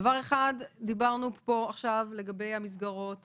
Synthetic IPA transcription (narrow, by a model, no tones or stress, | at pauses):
vaʁeχadːibaʁnupo̞aχʃavle̞ɡabe̞jhamis̬ɡaʁo̞t